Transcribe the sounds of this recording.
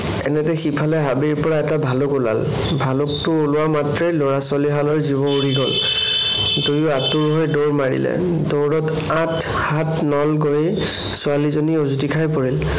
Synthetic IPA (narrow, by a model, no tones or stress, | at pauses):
ɛ̰nɛtɛxipʰalɛɦabiɹpɔɹaɛtabʱalʊkʊla̰l | bʱalʊk̚tʊːlʊwamatɹejloɹasʊaliɦalɔɹzibɔuɹiɡɔl | tojʊatuɹɦɔjdoɹmaɹḭlɛ̰ | doɹɔt | atʰ | hatnɔlɡoje | sʊalizoniozutikʰajpɔɹil